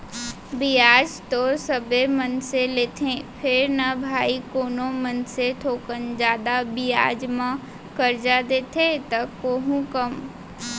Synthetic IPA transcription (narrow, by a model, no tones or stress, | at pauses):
bijaːd͡ʒt̪osəbemənseleːt̪ʰẽpʰɪɾnɐbʱaːikoːnõmənset̪ʰoːkənd͡ʒaːd̪abija̰ːd͡ʒmã | kəɾd͡ʒad̪eːt̪ʰet̪ɐkoːɦũkəm